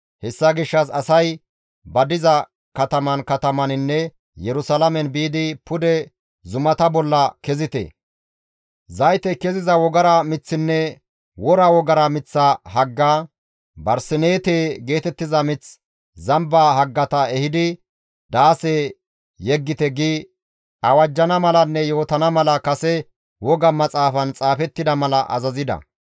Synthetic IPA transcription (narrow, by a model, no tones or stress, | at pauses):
hɛsːɐɡɪʃːɐs̬ɐsɐj | bɐd̪ɪzɐ | kɐt̪ɐmɐnkɐt̪ɐmɐnɪnːɛ | jɛɾʊsalɐmɛnbiːd̪ɪpʊd̪ɛ | zʊmɐt̪ɐbɔlːɐkɛzɪt̪ɛ̰ | zɐjt̪ɛkɛzɪzɐwɔɡɐɾɐmɪt͡sːɪnːɛ | wɔɾɐwɔɡɐɾɐmɪt͡sːɐɦɐɡːaː | bɐɾsɪneːt̪eːɡe̞ːt̪ɛt̪ːɪzɐmɪt͡s | zɐmbaːɦɐɡːɐt̪ɐɛhɪd̪ɪ | d̪aːseː | jɛɡːɪt̪ɛɡɪ | ɐwɐd͡ʒːɐnɐmɐlɐnːɛjo̞ːt̪ɐnɐmɐlɐkɐsɛ | wɔɡɐmːɐt͡sʼaːfɐnt͡sʼaːfɛt̪ːɪd̪ɐmɐlɐʔɐ̰zɐzɪd̪ɐ̰